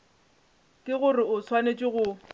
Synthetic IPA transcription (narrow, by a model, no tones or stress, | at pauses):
kʼɪɣʊrɪʊsʰwanet͡ʃʼɪɣʊ